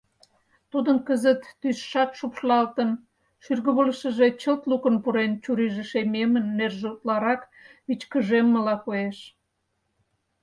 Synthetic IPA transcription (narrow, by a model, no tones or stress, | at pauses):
t̪ud̪ənkəzət̪ːysʃɑkʃupʃlɑlt̪ən | ʃyrɣəβələʃə̆ʒet͡ɕəlt̪lukənpuɾent͡ɕuɾiʒeʃememənːerʒut̪lɑɾɑk | βit͡ɕkəʒemːəlɑkojeʃ